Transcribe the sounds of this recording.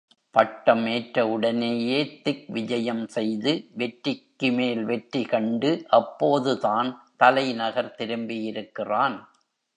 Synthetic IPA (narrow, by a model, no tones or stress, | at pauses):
pɐʈːɐmeːʈɾɐʊɽɐneːjeːt̪ɪk̚ʋɪd͡ʒɐjɐmsɛjðɯʋɛʈɾɪkːɯmeːlʋɛʈɾikɐɳɖɯʔɐpːoːðɯðaːnt̪ɐlɐɪnɐɣɐɾt̪ɪɾɯmbɪjɪɾɯkːɪraːn